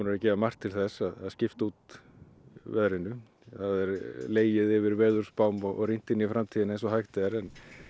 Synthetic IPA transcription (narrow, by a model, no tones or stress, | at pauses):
unʏɾacɛːvamar̥t̪ʰːɪlθɛsaðaðscɪft̪ut̪ | vɛðɾɪnːʏ | θaðɛɾleːjɪðɪvɪɾvɛːðʏɾ̥spawmɔɣɔ̰ɣrijn̥t̪ɪnːifɾamt̪ʰiːðɪnɛjnsɔɦajxt̪ɪɛɾɛn